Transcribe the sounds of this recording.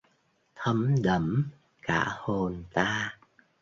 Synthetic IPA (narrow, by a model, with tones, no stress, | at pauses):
t̪ʰə˧mɗə˧˩m | kaː˧˩ho˨˩nt̪aː˧